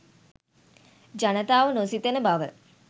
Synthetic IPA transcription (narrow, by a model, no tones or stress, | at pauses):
d͡ʒanət̪aːʋənosit̪ənəbaʋə